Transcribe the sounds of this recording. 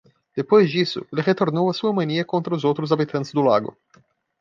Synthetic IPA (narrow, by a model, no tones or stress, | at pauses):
d̪̥epojd͡ʒisṵlʁet̪ornowasuəmɐnijekont̪ɾəuzowt̪ɾuzabit̪ʰɐnt̪sʲd̪ula̰ɡo̰